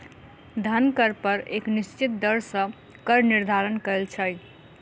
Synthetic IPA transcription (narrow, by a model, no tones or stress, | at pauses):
d̪ʱənkəɾpəɾeknist͡ʃit̪̚d̪əɾsə̃ | kəɾniɾd̪ʱaɾənkəlt͡ʃʰə